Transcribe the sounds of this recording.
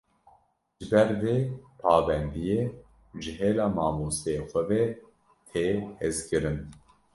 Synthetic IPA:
ʒɨbɛɾveːpʰɑːvɛnd̪ijeː | ʒɨɦeːlɑːmɑːmoːseexʷɛvɛ | t̪ʰeːhɛzkɨɾɨn

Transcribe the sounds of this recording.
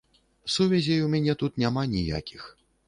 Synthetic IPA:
suvʲɛzʲijwmʲanʲɛt̪ut̪nʲamanʲija̰kʲix

